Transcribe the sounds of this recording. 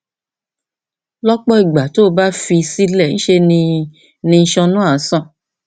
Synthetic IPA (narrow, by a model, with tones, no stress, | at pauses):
lɔ˦k͡pɔ˦i˦˨ɡ͡ba˨to˨˦˧ba˦fi˧si˦lɛ˦˨ñ̩˦ʃe˧nĩ˧ | nĩ˧˦ʃɔ̃˧nũ˦a˦˨˦sã˦˨